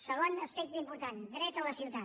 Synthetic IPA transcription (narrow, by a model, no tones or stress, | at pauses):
səɣ̞onəspɛk̚t̪impuɾt̪and̪ɾɛt̪ələsiwt̪a